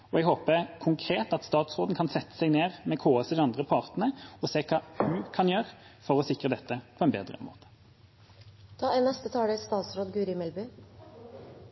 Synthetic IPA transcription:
ɔɛɡhoːpəkʰʊŋkʰʁeːt̪ɑt̪st̪ɑːt̪sʁoːd̪n̩kʰɑnsɛt̪ːə̥sɛɡneːʁmɛkʰoːɑsəd̪ɛɑnd̪ʁəpʰɑʁt̪nəɔseːkʰɑːhʉkʰɑnjøːʁfɔʁɔsɪkʁəd̪ɛt̪ːəpʰɔɛnbeːd̪ʁə̰mo̰ːt̪ə̥ | t̪ʰɑːɛnnːɛst̪ət̪ʰɑːɽəst̪ɑːt̪sɾoːd̪ɡʉɾɪmɛlbyː

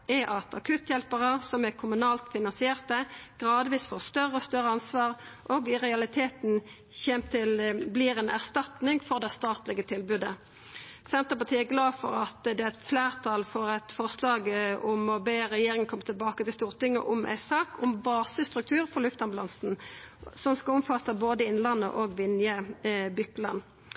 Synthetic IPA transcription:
ɛʔɑt̪ʰɑkʰʉt̪jɛlpəʁəsɔmækʰʊmʉnɑːlt̪fɪnɑnsɪeːʁt̪əɡ̥ʁɑːd̪ʋiːsfoːʁst̪œrːəɔst̪œɾəɑnsʋɑːʁʔoɡɪʁɛɑlɪt̪ʰeːt̪n | çɛmt̪ʰɪlbliːɾɛnʔæ̰ʁst̪ɑt̪nɪŋfɔʁd̪ɛst̪ɑːt̪lɪɡət̪ʰɪlbʉd̪ə | sɛnt̪ɾəpɑʁt̪ʰiːæɡlɑːfɔɾɑt̪d̪ɛæɛt̪fleːʁt̪ʰɑlfɔɾɛt̪fɔʁslɑːɡʊmɔbeːʁɛjeːɾɪŋənkʰɔmːət̪ɪlbɑːkət̪ɪlst̪uːʁt̪ɪŋːə̰ʔʊmʔæ̰ɪsɑːkʰʊmbɑːsəst̪ʁʉk̚t̪ʰʉːɾfɔʁlʉft̪ɑnbʉlɑnsn̩ | sɔmskɑlʊmfɑt̪ːəboːd̪əɪnlɑnːə̰ʔoːɡʋɪnjəbʏkːlɑnː

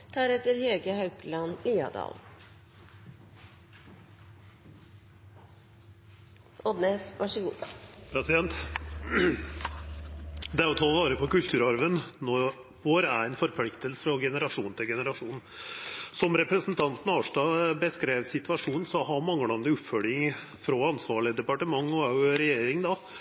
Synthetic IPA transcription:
d̪̥æɾɛt̪əɾheːɡəhɑʉklɑnliːɑ̰d̪ɑ̰ːl | ɔd̪nesʋʔɑʂəɡṵːpʰɾɛsɪd̪ɛnt̪ | d̪ɛæɾɔt̪ʰɑːʋɑːɾəpʰɔkʉlt̪ʰʉːɾɑɾʋənnɔ | ʋoːɾæɾænfɔɾpʰlɪkt̪əlsə̥fɾɑɡɛnəɾɑʂuːnt̪ʰɪlɡɛnəɾɑʂuːn̩sɔmɾɛpɾəsnt̪ʰɑnt̪n̩ɑːʂdɑːbəskɾeːʋsɪt̪ʋɑʂuːn̩sɔɦɑɾmɑŋːəlɑnəʉpfœlɪŋ | fɾɔɑnsʋɑːɭɪəd̪ɛpɑʈəmɑŋːɔæʉɾɛjeːɾɪŋd̪ɑ

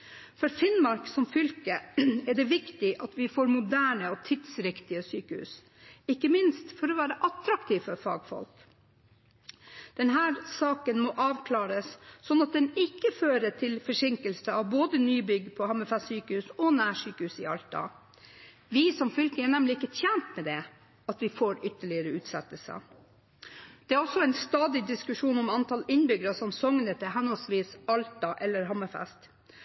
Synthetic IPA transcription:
fɔɾfɪnmɑɾksɔmfʏlkəɛɖɛʋɪkt̪ɪʔɑt̪ʋɪfoːɾmʊd̪æːɳəɔt̪ʰɪd̪̥sɾɪkt̪ɪəsyːkəhʉ̰ːs | ɪkːəmɪnst̪fɔɾɔʋæːɾəʔɑt̪ɾɑkt̪ʰiːʋfɔɾfɑ̰ːɡfɔ̰lk | d̪̥ɛnɦæːɾsɑːkənmɔʔɑːʋkʰlɑːɾəssɔnːɑt̪̚d̪ɛnɪkːəføːɾəʈʰɪlfɔʂɪŋkəlsəɑʋboːd̪ənyːbʏɡpʰɔhɑmɛfɛsyːkəhʉsɔnæːʂyːkəhʉːsɪɑlt̪ɑ̰ | ʋɪsɔmfʏlkəɛɳɛmlɪɪkːət̪ʰjænt̪mɛd̪ɛ | ɑt̪ʋɪfoːɾʏt̪ːəɭɪəɾəʉːt̪sɛt̪əlsə̰ | d̪̥ɛæɾɔsɔɛɪnst̪ɑːd̪ɪd̪ɪskʉʂuːnɔmɑnt̪ʰɑlɪnbʏɡəɾɑsɔmsɔŋnət̪əɦɛnɔlsʋiːsɑlt̪ɑʔɛlːəɾɦɑmɑfɛ̰st̪

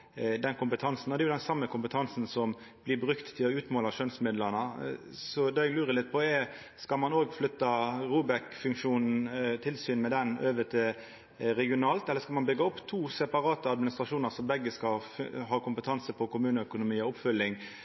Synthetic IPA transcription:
d̪ɛnkʰʊmpət̪ʰɑnsn̩ɔd̪ɛjʊd̪ɛnsɑmːəkʰʊmpət̪ʰɑnsn̩sɔmb̥lɪbɾʉkt̪ʰːɪlɔʉːt̪moːlɑʂønsmɪd̪lənəsɔd̪ɑːɛɡlʉːɾəlɪt̪̚ːpʰɔɛ | skɑlmɑnoːɡflʏt̪ːɑɾuːbɛkfʉŋkʂuːnn̩t̪ʰɪlsyːnmɛd̪ɛnøːʋət̪ʰɪl | ɾɛɡɪʊnɑːlt̪ɛlːəɾskɑlmɑnbʏɡːɑʊpːt̪ʰuːsɛpɑɾɑːt̪əɑd̪mɪnɪst̪ʁɑʂuːnəɾsɔmbɛɡːəskɑɦɑːkʊmpət̪ʰɑnsəpʰɔkʊmʉːnəœkʊnʊmiːɔʊpfʏlːɪŋ

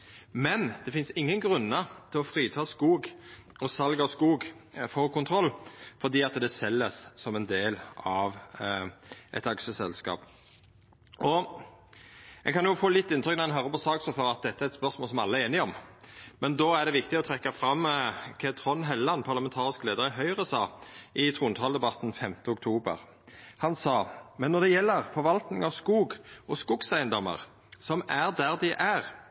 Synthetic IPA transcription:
mɛnd̪̥ɛfɪnsɪŋːənɡɾʉnːət̪ʰɪlɔfɾiːt̪ʰɑːskuːɡɔsɑlɡɑɔskuːɡfɔʁkʰʊnt̪ʰɾɔlːfɔd̪iːɑt̪d̪ɛsɛlːəssɔmɛnd̪eːlɑʋ | ʔɛ̰t̪ɑkʂəsɛlskɑ̰ːp | ʔɔ | ɛ̰nkʰɑnjʊfoːlɪt̪ːɪnt̪ɾʏk̚næɛnɦœːɾʁəpɔsɑːksɔføʁɾɑt̪̚d̪ɛt̪ːəæɾɛt̪spœʁsmoːlsɔmæɑlːəɛeːnɪɔmmɛnd̪oːæʁd̪ɛʋɪkt̪ɪɔt̪ʰʁɛkːɑfɾɑmːkʰɛt̪ʰʁɔnɦɛlːɑnpʰɑʁlɑmɛnt̪ʰɑːʁɪskleːd̪əɾɪɦœʏʁəsɑːɪt̪ʰʁuːnt̪ʰɑːld̪ɛbɑt̪ːn̩fɛmt̪əɔk̚t̪ʰuːbə̰ʁ | hɑnsɑːmɛnːɔd̪ɛjɛlːəʁfɔɾʋɑlt̪nɪŋɑʋskuːɡʔɔskuːɡsæɪənd̪ɔmə̰ʁ | sɔmæʁd̪æʁd̪ɪʔæʁ

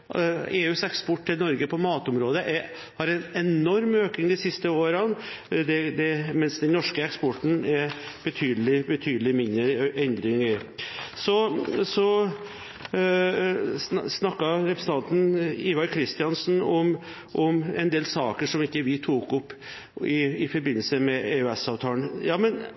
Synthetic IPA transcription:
eːʉːsɛkspɔʈːɪlnɔɾɡəpʰɔmɑːt̪ʊmɾoːd̪əʔɛ | hɑɾɛnɛnɔɾmøːknɪŋd̪ɪsɪst̪əoːɾən | d̪ɛd̪ɛmɛnsd̪ɛnnɔʂkəɛkspɔʈːn̩ɛɾb̥ət̪ʰyːd̪əlɪbət̪ʰyːd̪əlɪmɪnəʔɛnd̪ɾɪŋəsɔsɔ | snɑkːɑɾɛpɾsn̩t̪ɑnt̪n̩iʋɑɾkʰɾɪst̪ɪɑnsn̩ɔm | ʔɔmɛ̰nd̪eːlsɑːkəʂɔmɪkːəʋɪt̪ʰuːkʊpː | ɪːfɔɾbɪnːəlsəmɛeʉɛsɑːʋt̪ʰɑːlənjɑːmɛn

